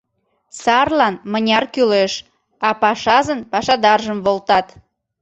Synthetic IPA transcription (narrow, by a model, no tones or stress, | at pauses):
sɑrlɑnmənʲɑrkyleʃ | ɑpɑʃɑzənpɑʃɑd̪ɑrʒəmβolt̪ɑt̪